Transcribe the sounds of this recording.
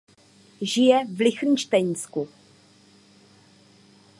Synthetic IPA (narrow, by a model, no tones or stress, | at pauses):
ʒɪjɛvlɪxɾiʃt̪ɛɲsku